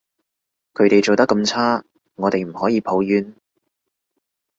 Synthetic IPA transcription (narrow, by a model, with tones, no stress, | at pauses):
kʰɵ˨˧ɥt̪e˨jt͡ʃo˨wt̪ɐ˥kːɐ˧mt͡sʰaː˥ | ŋɔː˨˧t̪e˨jm̩˨˩hɔː˨˥jiː˨˧pʰo˨˥wjyː˨˥n